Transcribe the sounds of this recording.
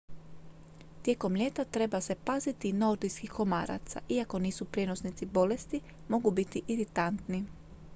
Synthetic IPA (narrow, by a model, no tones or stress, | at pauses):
t̪je̞ːko̞mʎʲe̞ːt̪at̪ɾe̞base̞paːzit̪inooɾd̪ijskixko̞ma̰ːɾa̰t̪sa̰ʔiako̞niːsupɾjeno̞snit̪sibo̞le̞st̪i | mo̞ɡubit̪iʔiɾit̪ant̪ni